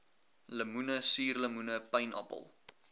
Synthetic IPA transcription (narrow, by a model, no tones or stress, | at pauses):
ləmunəsiːrləmunəpəjnʔɐ̰pə̰lˠ